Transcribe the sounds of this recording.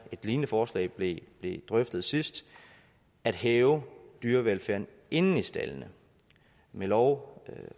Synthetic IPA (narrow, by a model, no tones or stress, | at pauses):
e̝d̥liːnəfɒːslɛ̰ːb̥leb̥le̝d̥ʁœfd̥ð̞̩ˠsisd̥ | æd̥heːʊd̥yːɐʋelfæɐ̰n̩ | ʔe̝nn̩isd̥æ̰lnə | melɒʊ